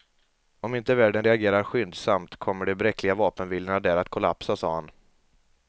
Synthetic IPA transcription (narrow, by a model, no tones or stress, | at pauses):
ɔmɪnt̪əvæːɖənɾɛaɡeːɾaɾɧʏnd̪samt̪kʰɔmːəɖɛbɾɛkʰːlɪɡavɑːpənvɪlənad̪æːɾat̪kʰɔla̰psasɑːhan